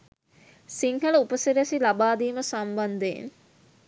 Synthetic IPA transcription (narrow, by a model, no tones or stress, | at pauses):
siŋɦələupəsiɾesilabaːd̪iːməsamband̪ejḛn